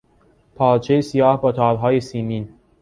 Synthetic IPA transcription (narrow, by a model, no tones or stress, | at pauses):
pʰɒːt͡ʃʰejesijɒːhbɒːt̪ʰɒːɾɦɒːjesiːmin